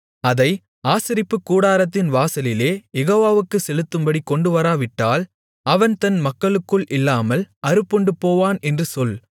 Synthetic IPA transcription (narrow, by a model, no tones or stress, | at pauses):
ɐðɐɪ | aːsɪɾɪpːɯkːuːɽaːɾɐt̪ːɪnʋaːsɐlɪleːjɛɣoːʋaːʋɯkːɯsɛlɯt̪ːɯmbɐɽikːɔɳɖɯʋɐɾaːʋɪʈːaːl | ɐʋɐnt̪ɐnmɐkːɐɭɯkːɯɭʔɪlːaːmɐlɐɾɯpːɔɳɖɯpoːʋaːnɛndrɯsɔl